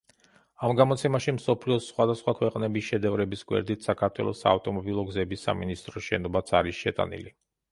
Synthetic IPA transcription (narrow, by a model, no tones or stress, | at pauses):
amɡamɔt̪sʰɛmaʃimsɔpʰliɔsːχwad̪asχwakʰwɛqʼnɛbisʃɛd̪ɛvɾɛbisɡwɛ̰ɾd̪it̪ʰsakʰaɾt̪ʰwɛ̰lˠɔ̰sa̰ːft̪ʼɔmɔbilˠɔɡzɛbisa̰minist̪ʼɾɔsʃɛnɔbat̪sʰaɾisʃɛt̪ʼa̰nḭli